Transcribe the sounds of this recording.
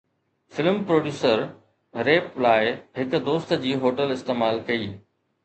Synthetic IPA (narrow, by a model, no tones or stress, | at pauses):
fɪlmpɾoːɖjuːsəɾ | ɾeːplaːɪɦɪkʊ̆d̪oːst̪d͡ʑiːɦoːʈəlɪst̪eːmaːlkɐiː